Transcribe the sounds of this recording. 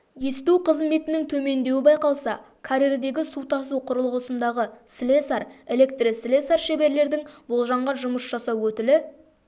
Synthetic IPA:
je̞st̪uqʰəzme̞t̪ɪnɪŋt̪ʰɵme̞nd̪e̞wɪbɑjqɑlˠsɑ | kʰaɾeɾd̪e̞ɡʲɪsut̪ʰɑsuqʰʊɾəlˠʁəsənd̪ɑʁəslesaɾe̞le̞kt̪risle̞saɾʃe̞be̞ɾle̞ɾd̪ɪŋbo̞lˠʒɑɴʁɑnʒʊməsʒ̥ɑsɑwɵt̪ɪlɪ

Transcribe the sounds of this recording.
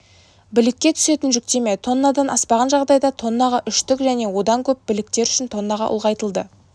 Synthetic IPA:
bɪlɪkʲːe̞t̪ʰʏ̥se̞t̪ɪnʒʏk̚t̪e̞met̪ʰo̞nːɑd̪ɑnʔɑspɑʁɑnʒɑʁd̪ɑjd̪ɑt̪ʰo̞nːɑʁɑʔʏʃt̪ʏkʒæne̞wo̞d̪ɑŋkʲʰɵp̚bɪlɪk̚t̪e̞ɾʏ̥ʃɪnt̪ʰo̞nːɑʁɑ̰ʔʊ̰lˠʁɑjt̪əlˠd̪ə

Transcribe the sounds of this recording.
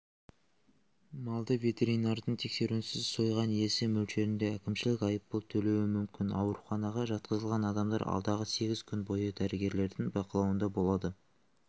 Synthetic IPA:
mɑlˠd̪əvʲe̞t̪e̞ɾijnɑɾd̪əɴt̪ʰe̞kse̞ɾuɪnsɪzso̞jʁɑnje̞sɪmɵlʃe̞ɾɪnd̪e̞ækʲɪmʃɪlɪkʲɑjəp̚pːəlˠt̪ʰɵle̞wɪmʏmkʲɪnɑ̰wəɾuχɑnɑʁɑʒɑt̪̚qəzəlˠʁɑnɑd̪ɑmd̪ɑ̰ɾɑ̰lˠd̪ɑʁəse̞ɡʲɪzkʲʰʏnbo̞jəd̪æɾɪɡʲe̞ɾle̞ɾd̪ɪŋbɑqəlˠɑwənd̪ɑbo̞lˠɑd̪ə

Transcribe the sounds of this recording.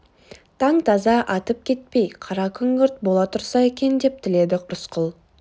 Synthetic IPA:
t̪ʰɑŋt̪ʰɑzɑʔɑt̪əp̚kʲʰe̞t̪̚pe̞jqʰɑɾɑkʲʰʏŋɡʲʏɾt̪̚bo̞lˠɑt̪ʰʊɾsɑe̞kʲe̞nd̪e̞p̚t̪ʰɪle̞d̪ɪqɾʊsqʊlˠ

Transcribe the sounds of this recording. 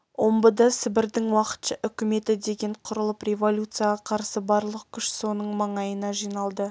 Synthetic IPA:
wo̞mbəd̪ɑsɪbɪɾd̪ɪŋwɑqə̥t̪ʃɑʔʏkʲɪme̞t̪ɪd̪e̞ɡʲe̞ɴqʰʊɾəlˠəprʲe̞volʲut̪sɨjaʁɑqʰɑɾsəbɑɾlˠəq̚kʲʰʏʃso̞nəɴmɑɴɑjənɑʒijnɑlˠd̪ə

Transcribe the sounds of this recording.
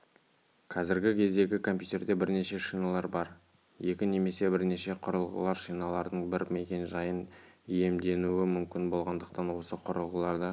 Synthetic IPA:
qʰɑzɪɾɡʲɪkʲʰe̞zd̪e̞ɡʲɪkʰo̞mpjut̪ʲe̞ɾd̪e̞bɪɾne̞ʃe̞ʃijnɑlˠɑɾbɑɾ | je̞kʲɪne̞me̞se̞bɪɾne̞ʃe̞qʰʊɾəlˠʁə̰lˠɑɾʃijnɑlˠɑɾd̪əɴbɪɾme̞kʲe̞nʒɑjənije̞md̪e̞nuɪmʏmkʲɪnbo̞lˠʁɑnd̪əq̚t̪ɑnwo̞səqʰʊɾəlˠʁəlˠɑɾd̪ə

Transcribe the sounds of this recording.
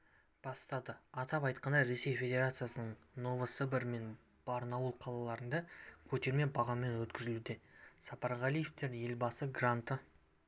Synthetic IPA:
b̥ɑst̪ɑd̪əɑt̪ɑpɑjt̪qɑnd̪ɑjɾe̞se̞jfʲe̞d̪ʲe̞ɾat̪sɨjasənəɴ | no̞vəsəbɪɾme̞n | b̥ɑɾənɑwəlˠqʰɑlˠɑlˠɑɾənd̪ɑkʲʰɵt̪e̞ɾme̞bɑʁɑmːe̞nwɵt̪kʲɪzɪlud̪esɑpɑɾʁɑlijeft̪e̞ɾje̞lbɑsəɡrant̪ə

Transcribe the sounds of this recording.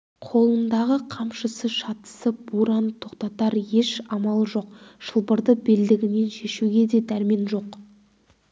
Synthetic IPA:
qʰo̞lˠənd̪ɑʁəqʰɑmʃəsəʃɑt̪ə̥səb̥uɾɑnt̪ʰo̞qt̪ɑt̪ɑɾje̞ʃɑmɑlˠəʒo̞qʃəlˠbəɾd̪əbeld̪ɪɡʲɪne̞nʃe̞ʃuɡʲe̞d̪e̞d̪æɾme̞nʒo̞q

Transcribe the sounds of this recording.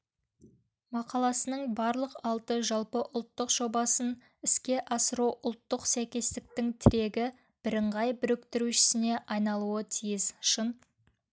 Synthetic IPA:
mɑqɑlˠɑsənəɴbɑɾlˠəqɑlˠt̪əʒɑlˠpəʔʊlˠt̪ːəqʒ̥o̞bɑsən | ɪskʲe̞ʔɑsəɾuwʔʊlˠt̪ːəqsæjkʲe̞zt̪ɪk̚t̪ɪŋt̪ʰɪɾe̞ɡʲɪ | b̥ɪɾɪɴʁɑjbʏɾɪkt̪ɪɾuʃɪ̥sɪne̞ʔɑjnɑlˠuət̪ʰijɪzʃən

